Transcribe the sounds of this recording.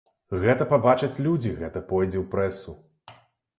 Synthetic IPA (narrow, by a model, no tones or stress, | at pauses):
ɣɛt̪ɐpabat͡ʂɐt͡sʲlʲud͡zʲiɣɛt̪ɐpɔjd͡zʲɛwpɾɛsu